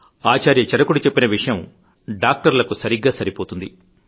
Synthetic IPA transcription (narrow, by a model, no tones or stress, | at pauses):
aːt͡ʃaːɾjɐt͡ʃɐɾɐkuɽit͡ʃe̞pːinɐʋiʂɐjɐm | ɖaːk̚ʈɐɾlɐkusɐɾiɡːaːsɐɾipo̞ːt̪und̪i